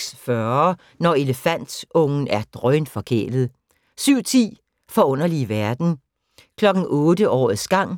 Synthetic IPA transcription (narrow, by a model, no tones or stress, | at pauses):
sfɶ | nɒe̝ləfæn̰d̥ssɔ̽ŋn̩æɐd̥ʁœɪnfɒ̽kʰḛːl̥ð̩ˠ | syʊ̰t͡sʰḭː | fɒ̽ɔ̽n̰ɐliʋæɐd̥n̩ | kʰlɒ̽ɡ̥n̩ɔ̽ːdəʔɒ̰ːð̩ˠsɡ̥ɑ̈ŋ̰